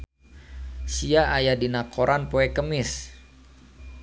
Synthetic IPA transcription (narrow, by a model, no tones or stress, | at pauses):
siaʔajadinakʰoɾʔanpoɛkəmɪs